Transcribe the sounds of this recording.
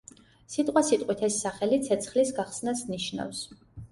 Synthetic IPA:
sit̪ʼqʼwasit̪ʼqʼwit̪ʰɛsːaχɛlit̪sʰɛt̪sʰχlisɡaχsnasniʃna̰fs

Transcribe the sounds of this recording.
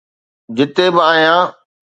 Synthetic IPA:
d͡ʑɪt̪ebɪaːɦjãː

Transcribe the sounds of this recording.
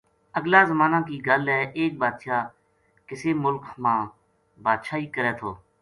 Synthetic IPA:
əɡlaːzəmaːnãːkiːɡəlɛːʔeːk̚baːd̪ʃaː | kɪseːmʊlkmãː | baːd̪ʃaːiːkəɾɛːt̪ʰoː

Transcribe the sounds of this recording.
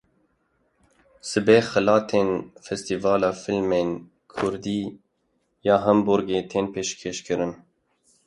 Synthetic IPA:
sɨbeːxɨlɑːt̪ʰeːnfɛst̪ivɑːlɑːfilmeːn | kʰʊɾd̪iː | jɑːɦɛmbʊɾɡeːt̪ʰeːnpʰeːʃkʰeːʃkʰɨɾɨn

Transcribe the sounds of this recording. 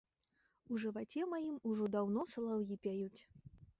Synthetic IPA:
uʐɨvat͡sʲɛmajimuʐɔd̪awn̪ɔsɐlˠawjʲipʲajut͡sʲ

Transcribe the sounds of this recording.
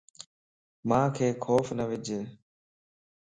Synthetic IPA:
mãːkʰeːkʰoːfnəʋɪd͡ʒʱeː

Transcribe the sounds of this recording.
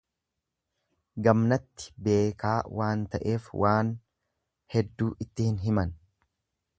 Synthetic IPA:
ɡɐmnɐt̪ːɪ̥be̞ːkaːwʔaːnt̪ɐʔe̞ːfwʔaːn | hɛd̪ːuːʔɪt̪ːɪhɪnɦɪmɐn

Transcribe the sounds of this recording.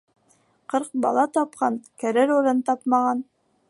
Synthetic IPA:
qɤɾq̚bɑ̰lˠɑt̪ɑp̚qɑnkæɾɘɾoɾɤnt̪ɑpmɑʁɑn

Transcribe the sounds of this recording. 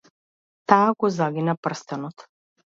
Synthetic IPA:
t̪aːɡɔzaɡinapr̩st̪ɛnɔt̪

